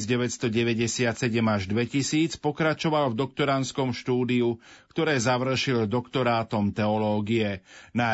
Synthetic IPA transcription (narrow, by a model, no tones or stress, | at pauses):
zɟɛʋɛt̪st̪ɔɟɛʋɛɟɛsɪat̪sɛɟɛmaʒd̪ʋɛcisiːt͡spɔkɾat͡ʃɔʋalvd̪ɔk̚t̪ɔɾanskɔmʃt̪uːd̪iukt̪ɔɾɛːzaʋr̩ʃild̪ɔkt̪ɔɾaːt̪ɔmt̪ɛɔlɔːɡiɛna